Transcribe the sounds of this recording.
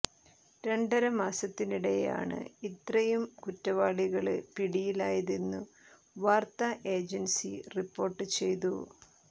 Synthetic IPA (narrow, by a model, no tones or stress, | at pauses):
ɾeɳɖɐɾɐmaːsɐt̪ːiniɽeja̰ːɳɨ̰it̪rɐjumkutːɐʋaːɭiɣɐɭɨpiɽijilaːjɐðinːu | ʋaːrt̪ɐʔe̞ːd͡ʑɐnsḭripːo̞ːrʈːɨt͡ɕe̞jt̪̬u